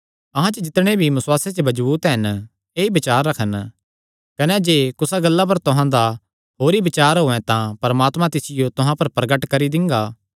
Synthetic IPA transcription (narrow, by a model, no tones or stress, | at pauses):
ɐɦãt͡ʃəd͡ʒɪt̪ɽ̃ebʱibɐswaːset͡ʃebɐd͡ʒbuːt̪ɦɐn | eːibɪt͡ʃaːɾːɐkʰən | kɐnɛd͡ʒeːkʊsaɡɐlːap̬ɐɾt̪ʊɦãd̪a | ɦoːɾibɪt͡ʃaːɾɦoːɛ̃t̪ãpɐɾmaːt̪mãt̪ɪsɪjot̪ʊɦãpɐɾpɾɐɡəʈkɐɾid̪ɪ̃ŋɡaː